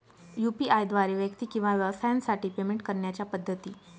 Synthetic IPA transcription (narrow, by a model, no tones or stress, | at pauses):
jupiʔajd̪ʋaɾiːʋjək̚t̪iːkĩw̃ʋaʋjəʋəsajansaʈiːpemeɳʈ̚kəɾɳjat͡ɕjapəd̪ʱːət̪iː